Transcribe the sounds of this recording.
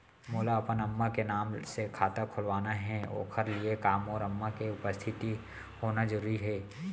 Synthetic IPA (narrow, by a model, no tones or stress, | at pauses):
moːlaɐpənɐmːakenaːmsekʰaːt̪akʰʊlʋaːnaɦɛ̃ːo̰ːkʰəɾliekaːmɔːɾɐmːakeʊpəst̪ʰɪt̪i | hoːnad͡ʒəɾuːɾiɦɛː